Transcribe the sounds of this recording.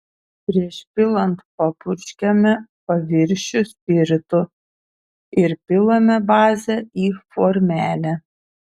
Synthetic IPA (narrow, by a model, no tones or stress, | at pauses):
pʲɾʲiɛʃpʲɪlˠɐnt̪pɐpʊɾʲʃʲkʲɛmʲɛpɐʋʲɪɾʲʃʲʊsʲpʲɪɾʲt̪ʊ | ɪɾpʲɪlˠɐmʲɛbɑːzʲɛiːfɔɾʲmʲæːlʲɛ